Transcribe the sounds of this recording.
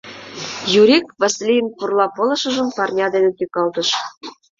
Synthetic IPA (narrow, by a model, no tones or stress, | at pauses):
juɾʲikvɑsʲilʲijənpurlɑpolɤ̆ʃə̆ʒə̆mpɑrnʲɑd̪enet̪ykɑlt̪ɤ̆ʃ